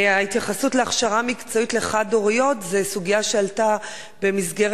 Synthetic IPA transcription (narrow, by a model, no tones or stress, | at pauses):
aitjaχasutleaχʃaʁamikt͡so̞itle̞χado̞ʁijo̞tzesuɡijaʃealta | be̞mizɡeʁ